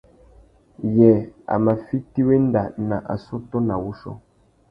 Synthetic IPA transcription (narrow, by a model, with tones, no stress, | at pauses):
jɛ˨a̰˨ma˨fi˦ti˦we˦n˦da˨na˨ʔa̰˨su˦tɔ˦na˨wu˦ʃɔ̰˦